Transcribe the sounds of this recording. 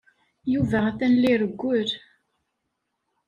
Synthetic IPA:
juvæʁθænliɾəɡʷːʊɾ

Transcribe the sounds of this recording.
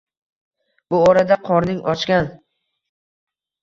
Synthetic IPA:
bʊɒɾad̪aqʰɒɾnɪŋʔɒt͡ʃkʲan

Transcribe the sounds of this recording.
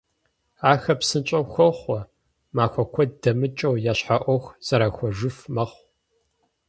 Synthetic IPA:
aːxɐpsɨnt͡ʃʼɐwxʷɔχʷɔ | maːxʷɔkʷʰɔd̚dɐmɨt͡ʃʼɐwjaːɕħaʔʷɔxʷz̥ɐɾaːxʷɔʒɨfmɐχʷ

